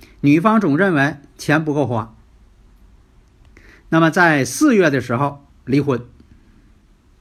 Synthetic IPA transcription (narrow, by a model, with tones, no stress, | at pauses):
ny˨˩fɑ˥ŋt͡sʊ˨˩ŋɻə˥˩nwe˧˥ɪt͡ɕʰjɛ˧˥np̬u˧˥ko˥˧ʊxwa˧˥˩ | na˥˩mə˩t͡sa˥˧ɪsɹ̩˥˧ɥɛ˥˩d̪ə˩ʂɻ̩˧˥xo˥˧ʊ | li˧˥xwə˨˩˥n